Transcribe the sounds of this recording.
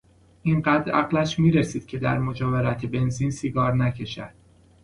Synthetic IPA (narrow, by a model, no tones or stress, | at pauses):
ʔinɢæːd̪ɾæɣlæʃmiːɾesiːd̪̥̚cʲʰe̞d̪æ̰ɾmo̞d͡ʒɒːveɾæt̪ʰebe̞nziːnsiɡɒːɾnæcʰe̞ʃæ̰d̪̥̚